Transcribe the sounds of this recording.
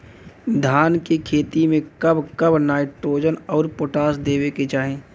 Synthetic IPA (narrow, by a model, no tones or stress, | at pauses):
d̪ʱaːnkekʰeːt̪imẽkɐbkəbnaːɪʈɾoːd͡ʒənɔːɾpoʈaːsd̪eːʋeket͡ʃaːɦẽː